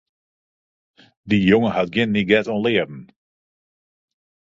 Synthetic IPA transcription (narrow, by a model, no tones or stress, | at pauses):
dijʊŋəhat̚ɡɪnːiɡɛtɔnlɪːədn̩